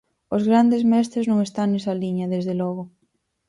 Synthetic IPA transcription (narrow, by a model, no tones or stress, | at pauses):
ozɣɾand̪ezmɛs̬t̪ɾeznõŋest̪aŋnɛsɐliɲɐðezðelɔɣ̞ʊ